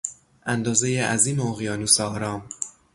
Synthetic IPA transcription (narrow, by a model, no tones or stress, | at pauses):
ʔænd̪ɒːzejeʔæziːmeoɣijɒːnuːsɒːhɾɒːm